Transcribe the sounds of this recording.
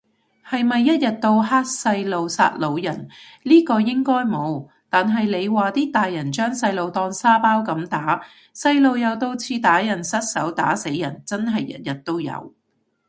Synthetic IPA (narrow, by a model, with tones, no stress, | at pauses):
hɐ˨jmɐ˨jːɐ˥t̚jɐ˨t̚t̪o˧wɦaː˥t̚sɐ˧jlo˨wsa̰ː˧t̚lo˨˧wjɐ̰˨˩nliː˥kɔː˧jɪ˥ŋkɔː˥jmo˨˧w | t̪aː˨nɦɐ˨jle˨˧jwaː˨t̪iː˥t̪aː˨jːɐ˨˩nt͡ʃœː˥ŋsɐ˧jlo˨wt̪ɔː˧ŋsaː˥paː˥wkɐ˨˥mt̪aː˨˥ | sɐ˧jlo˨˧wjɐ˨˧wt̪o˧wt͡sʰiː˧t̪aː˨˥jɐ˨˩nsɐ˥t̚sɐ̰˨˥wt̪aː˨˥se˨˥jːɐ˨˩nt͡sɐ˥nɦɐ˨jːɐ̰˦˥t̚jɐ˨˩t̚t̪o˥wjɐ̰˨˧w